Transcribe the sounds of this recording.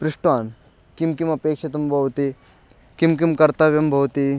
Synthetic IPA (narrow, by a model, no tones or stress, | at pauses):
pɾɪʂʈʋaːn | kimkimɐpeːkʃɐt̪ɐmbʱɐʋt̪i | kimkimkɐɾt̪aːʋjɐmbʱɐwt̪i